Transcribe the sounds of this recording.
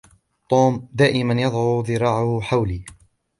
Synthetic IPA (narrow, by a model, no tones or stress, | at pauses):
t̪ˤuːmd̪aːʔɪmanjɑðˤʕuðˤɨɾˤɑːʕʊhħawliː